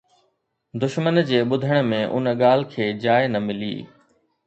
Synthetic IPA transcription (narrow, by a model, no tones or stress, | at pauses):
d̪ʊʃmənd͡ʑeːɓʊd̪ʱəɽ̃mẽʔʊ̰nɠaːl̤̆kʰeːd͡ʑaːenɐmɪlḭː